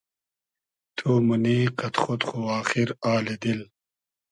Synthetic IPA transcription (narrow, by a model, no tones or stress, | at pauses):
t̪ʰuːmuniːqɐt̪χot̪χuwaːxiɾaːled̪il